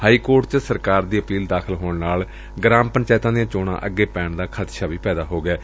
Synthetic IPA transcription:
haːiːkoːɾʈt͡ʃsəɾkaːɾd̪iːəpiːld̪aːkʰəlɦoːɳnaːl | ɡɾaːmpəɲt͡ʃaːɪt̪ãːd̪ijãːt͡ʃoːɳã̰ːʔəɡːeːpɛːɳd̪aːkʰət̪ʃaːʋiːpɛːd̪aːɦoːɡɛː

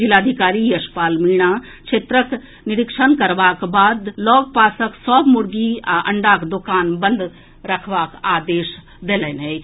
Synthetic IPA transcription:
d͡ʒɪlaːd̪ʱikaːɾijɐʃpaːlmiːɽ̃aː | kt͡ʃʰeːt̪ɾək | nɪɾɪkʃənkɐɾʋaːkbaːd̪lɔːɡpaːsəksɔːbmʊɾɡiɐ̰̃ɳɖaːkd̪okaːnbə̃nd̪ | ɾɐkʰʋaːkaːd̪eːʃ | d̪eːlɛnɦɛj

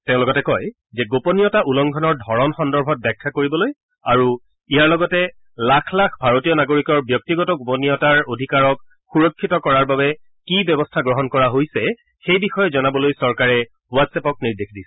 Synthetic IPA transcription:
tɛ̃ʊ̃lɔɡɔtɛkɔj | zɛɡopɔnijɔtaʔulɔŋɡʱɔnɔɹdʱɔɹɔnxɔndɔɹbʱɔt̚bakʰːakoɹibɔloj | aɹu | ijaɹlɔɡɔtɛ | lakʰlakʰbʱaɹotijɔnaɡoɹikɔɹbjɔk̚tiɡɔtɔɡoponiɔtaɹodʱikaɹɔk | xuɹɔkʰːitɔkɔɹaɹbabɛ | kibjɛbɔstʰaɡɹɔɦɔnkɔɹaɦojsɛ | xejbixɔjɔzɔnabɔlojsɔɹkaɹɛ | watsɛpɔk̚niɹdexdisɛɛ

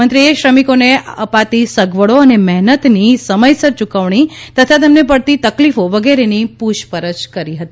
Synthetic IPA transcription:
ə̃nt̪ɾieʃɾəmikoneəpat̪isəɡʋəɭoənemɛɦnət̪nisəməjsəɾt͡ʃukəʋɳ̃it̪ət̪ʰat̪emnep̬əɽt̪it̪əklifoʋəɡeɾenipuʃpəɾət͡ʃkəɾiɦət̪i

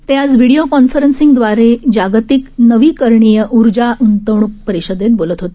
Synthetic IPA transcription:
t̪ead͡zʋiɽijokɔnfəɾənsiŋɡd̪ʋaɾed͡ʑaɡt̪iknəʋiːkəɾɳijəʔuɾd͡ʑaʔunt̪əʋɳ̃uk̚pəɾiɕəd̪et̪̚bolət̪ɦot̪e̥

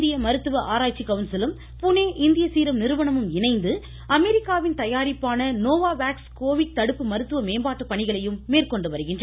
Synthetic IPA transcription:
d̪ɪjɐmɐɾɯt̪ːɯʋɐʔaːɾaːt͡ʃɪkːɐʋnsɐlɯm | pʊneːʔɪnd̪ɪjɐsiːɾɐmnɪɾɯʋɐɳɐmɯmɪnɐɪnd̪ɯ | ɐmɛɾɪkːaːʋɪnt̪ɐjaːɾɪpːaːnɐnoːʋaːʋaːkskoːʋɪʈ̚t̪ɐɽɯpːɯmɐɾɯt̪ːɯʋɐmeːmbaːʈːɯpːɐɳɪɣɐɭɐjɯmːeːrkɔɳɖɯʋɐɾɯɣɪndr

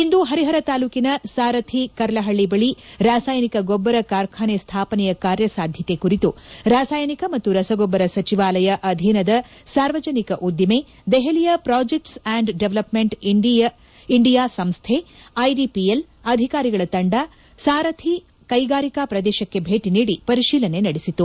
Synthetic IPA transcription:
ind̪uɦɐɾiɦɐɾɐt̪aːluːkinɐsaːɾɐt̪ʰikɐɾɐlɐɦɐɭːibɐɭiɾaːsaːjnikɐɡɔbːɐɾɐkaːɾkʰaːɳest̪ʰaːpɐnɛjɐkaːɾjɐsaːd̪ʱjɐt̪ekuɾit̪uɾaːsaːjnikɐmɐt̪ːuɾɐsɐɡɔbːɐɾɐsɐt͡ʃiʋaːlɐjɐʔɐd̪ʱinɐd̪ɐsaːɾʋɐd͡ʒɐnikɐʔud̪jime | d̪ɛɦɐlijɐpɾaːd͡ʒek̚ʈsaːɳɖɖeʋlɐpmeɳʈɖiɐ | iɳɖijaːsɐmst̪ʰeɐjɖipiel | ɐd̪ʱikaːɾiɡɐɭɐt̪ɐɳɖa | saːɾɐt̪ʰi | kɐjɡaːɾikaːpɾɐd̪ɛːʃɐkːe̞bʱeːʈiniːɽipɐɾiʃiːlɐnenɐɽisit̪ːu

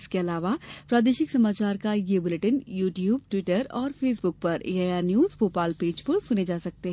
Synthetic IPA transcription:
ɪskeɐlaːʋapɾaːd̪eːʃɪksɐmaːt͡ʃaːɾkajebʊleʈənjuːʈjuːb̚ʈʋɪʈəɾɔːɾfeːs̬bʊk̚pɐɾʔḛːaːjaːɾnjuːzpoːpaːlpeːd͡ʒpɐɾsʊned͡ʒaːsɐk̚t̪eɦɛ

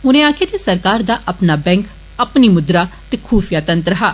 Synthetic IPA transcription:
ʊnẽːaːkʰeːd͡ʒesəɾkaːɾd̪aːʔəpnaːbɛ̃ːŋk | əpniːmʊd̪ɾaːt̪eːkʰuːfʰijaːt̪ənt̪ɾəɦaː

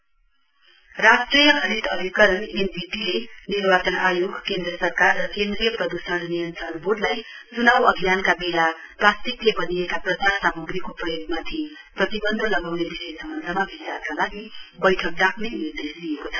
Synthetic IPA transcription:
rasʈrijʌkʰʌɾid̪ʌbʱikʌɾʌnenpiʈilenirbat͡sʌnajoɡkend̪rʌsʌrkarːʌkend̪rijʌprʌd̪usʌnnijʌnt͡sʌnboɽlajt͡sunawʌɡʱijankabela | prast̪ik̪jebʌniekaprʌt͡sarsamuɡrikoprʌjoɡmat̪ʰi | prʌt̪ibʌnd̪ʱʌlʌɡawnebisejsʌmʌnd̪ʱʌmabʱisarkalaɡibʌjʈʰʌk̚d̪akʰnenird̪esd̪ijekot͡sʰʌ̥

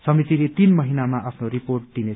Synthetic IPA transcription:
sʌmit̪ilet̪inmʌɦinamaʔapʰnoɾiporʈ̚d̪̥ine

